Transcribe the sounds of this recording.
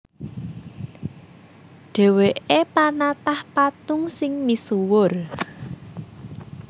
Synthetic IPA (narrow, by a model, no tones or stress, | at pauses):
ɖ̥e̤weʔepanat̪ahpat̪ʊŋsɪŋmisuwʊr